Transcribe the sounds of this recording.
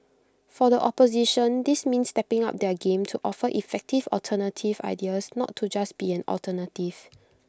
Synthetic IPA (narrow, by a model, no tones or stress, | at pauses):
fɔdəʔɔpoziʃə̃ndismĩnstɛpɪ̃ŋa̰p̚dɛɡẽmtʰuʔɔfəʔifɛk̚tivɔ̰ltʰənətʰiva̰ɪdiəsnɔ̰tʰːud͡ʒasb̥iɛ̃nɔ̰ltʰənətiv̥